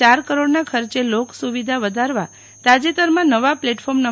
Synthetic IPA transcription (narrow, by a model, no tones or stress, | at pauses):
aɾkəɾoɽnakʰəɾt͡ʃeloksuʋid̪ʱaʋəd̪ʱaɾʋa | t̪ad͡ʒet̪əɾmãnəʋapleʈfʰɔɾmna